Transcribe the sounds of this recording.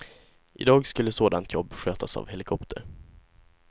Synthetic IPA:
ʔɪd̪ɑːɡskɵlːəsoːd̪ant̪ʰjɔbːɧøːt̪ʰasa̰vhɛlɪkʰɔpt̪ʰə̰ɾ

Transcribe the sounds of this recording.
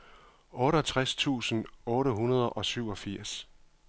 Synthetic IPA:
ɔ̽ːɾət͡sʰʁast͡sʰṵːsən̩ɔ̽ːɾəɦunɐð̞ˠʔɒ̽syʊ̰ɒ̽fiɐ̰s

